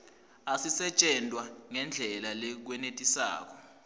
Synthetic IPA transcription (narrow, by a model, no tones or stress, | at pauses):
asisɛt͡ʃʼɛntʼwaŋɛnd͡ɮʱɛlalɛk̬wɛnetʼisa̰ːk̬ɔ